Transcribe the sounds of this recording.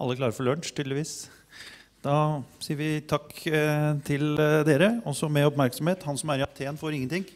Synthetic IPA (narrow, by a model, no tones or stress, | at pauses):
ʔɑlːəkʰlɑːɾəfɔɭœɳʂt̪ʰyːd̪lɪʋiːs | d̪̥ɑsiːəɾʋɪt̪ʰɑkː | t̪ʰɪld̪eːɾəɔsːɔmɛɔpmæɾksɔmheːt̪hɑnsɔmæɾɪɑpt̪ʰeːənfoːɾɪŋənt̪ɪŋː